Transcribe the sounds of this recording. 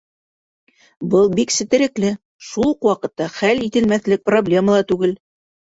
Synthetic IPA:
bɤlˠbiksɘ̆t̪ɘ̆ɾɘ̆klɘ | ʃulˠqwɑqɤ̆t̪ːɑχælit̪ɘ̆lmæθlɘk̚problʲe̞məlˠɑt̪ʉɡɘl

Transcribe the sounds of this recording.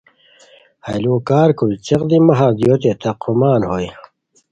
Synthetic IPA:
hɐ̰jloːkaːɾkult͡ɕeqd̪imɐɦad̪joːt̪̬et̪ʰɐqʰumaːnhoj

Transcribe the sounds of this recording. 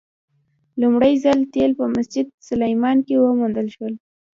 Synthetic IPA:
lumɽəjzalt̪elpəmasd͡ʒɪd̪̚sʊlajmɑnkewəmund̪əlʃwəl

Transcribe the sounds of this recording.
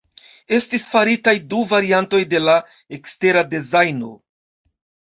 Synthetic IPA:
e̞stisfaɾitajduvaɾianto̞jde̞la | ekste̞ɾadezajno̞̰

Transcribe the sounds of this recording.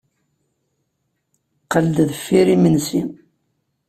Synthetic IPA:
qːəld̪ðəfːiɾimənsin

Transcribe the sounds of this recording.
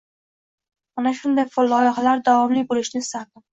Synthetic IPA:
manaʃʊnd̪ajfolˠːɒjɑχalaɾd̪avɒmlijbolɪʃnɪɪst̪aɾd̪ɪ

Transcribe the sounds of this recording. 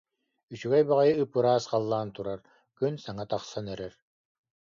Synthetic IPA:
yt͡ɕyɡɛjbaʁajɯɯpːɯɾaːsqalˠːaːnt̪uɾaɾ | kynsaŋat̪aχsanœɾɛɾ

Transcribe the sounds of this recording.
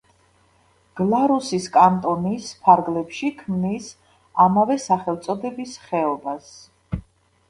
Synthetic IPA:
ɡ̥lˠaɾusiskʼant̪ʼɔnispʰaɾɡlɛpʃikʰmnis | amavɛsaχɛlˠt̪sʼɔd̪ɛbisχɛɔbas

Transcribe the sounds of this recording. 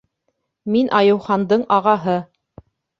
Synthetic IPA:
minʔɑjɤ̆wχɑnd̪ɤɴɑʁɑɦɤ

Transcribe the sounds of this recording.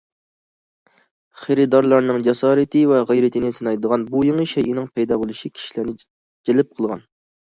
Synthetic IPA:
χeɾɪd̪ɑɾlˠɑɾnɨŋd͡ʒɛsɑːɾɨt̪ʰɨvɛʁejɾɪt̪ʰɪnɪsɨnɑjd̪əʁɑnbujoŋəʃɛjʔɪnɪŋpʰɛjd̪ɑbolˠuʃikʲʰi̥ʃilæɾnɪ | d͡ʒelɪp̚qʰəlˠʁɑ̰n

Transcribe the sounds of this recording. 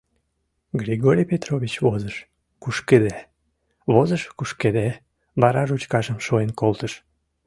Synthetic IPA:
ɡɾʲiɣoɾʲijpet̪roβʲit͡ɕβozəʃ | kuʃked̪æ | βozəʃkuʃked̪æ | βɑɾɑʒut͡ɕkɑʒəmʃoenkolt̪əʃ

